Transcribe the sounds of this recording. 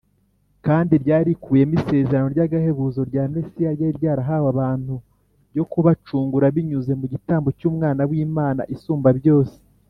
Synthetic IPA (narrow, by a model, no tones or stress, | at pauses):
kaːndiɾɟaːɾikʰuːje̞mise̞ːzeɾano̞ɾɟaɡahe̞βuzo̞ɾɟaːmnesijaɾjaiɾɟaːɾaɦaːwaβaːn̥hu | ɟo̞kuβat͡ʃuːŋɡuɾaβiɲuze̞muɟitaːmbo̞cuːmŋaːnawiːmaːna̰ʔisuːmbaβjo̞ːse̥